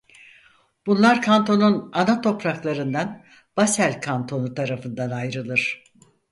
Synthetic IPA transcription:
b̥unlˠaɾkʰant̪ʰo̞nunanat̪ʰo̞pɾaklˠaɾɯnd̪an | b̥asælʲkʰant̪ʰo̞nut̪ʰaɾafɯnd̪anajɾɯlˠɯɾ̥

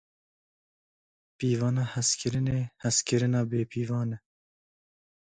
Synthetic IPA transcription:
piːvɑːnɑːhɛskʰɪɾɨneːhɛskɪɾɨnɑːbeːpiːvɑːnɛ

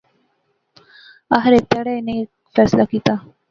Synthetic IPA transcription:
aɦɾet̪aɽene | fɛslakit̪a

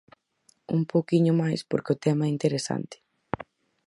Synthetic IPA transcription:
ṵmpowkiɲʊmajspo̰ɾkɪʊt̪ɛmaɛint̪eɾesa̰nt̪ɪ̥

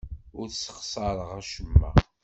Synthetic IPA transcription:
ʊɾsə̥qsˤɑɾˤəʁæʃəmːæ̰

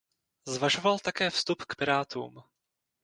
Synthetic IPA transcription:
zvaʒo̞valt̪akɛːfst̪upkpɪɾaːt̪ṵːm

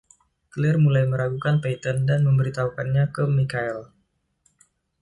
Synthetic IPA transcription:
klɪrmulajməɾaɡukanpet̪əndanməmbəɾit̪aukanɲakəmikaɛl

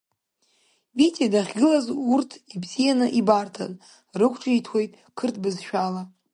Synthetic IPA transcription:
bitʰʼedaχʲɡʲɨlazurtʰibzijanɨʔibartʰa̰z | rɨkʷʰʈ͡ʂʼitʰwe̞jtʼ | kʰɨrtʰbɨzʃᶣala

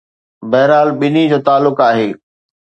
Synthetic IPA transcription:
bɐɦɾaːlɓɪnid͡ʑoːt̪aːlːʊkaːɦeː

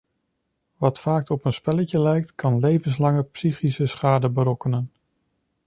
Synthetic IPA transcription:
ʋɑtfaːk̚ɔpənspɛləcəlɛjk̚tkʰɑnlejvənslɑŋəpsiχisəsχaːdəbəɾɔkənən

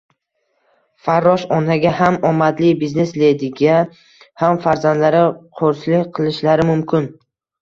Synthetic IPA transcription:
faɾːɒʃɒnaɡʲaɦamɒmad̪lɪbizne̞sle̞d̪ɪɡʲa | hamfaɾzand̪laɾɪqʰoɾsɪlɪqʰɨlˠɪʃlaɾɪmʊmkʰʲɪn

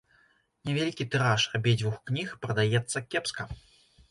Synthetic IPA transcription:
nʲɛvʲalʲikʲit̪ɨɾaʂabʲed͡zʲvuxknʲixpɾɐd̪ajɛt̪sːɐkʲɛpskɐ

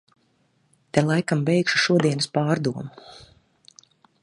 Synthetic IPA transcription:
t̪ɛlˠajkambɛjkʃu̥ʃuɔd̪iɛnɨspaːɾd̪uɔmu

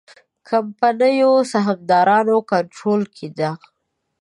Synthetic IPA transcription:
kʰampanəjosaɦamd̪ɑɾɑnokaɳʈɾolkʰed̪a

